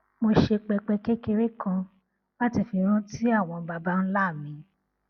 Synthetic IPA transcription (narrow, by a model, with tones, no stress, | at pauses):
mo˧ʃe˧k͡pɛ˧k͡pɛ˧ke˦ke˧ɾe˦kã˧ | la˦ti˧fi˧ɾ̃ũ˦ti˦a˦˨w̃ɔ̃˧ba˧ba˦n̩˦la˦˨mĩ˨˦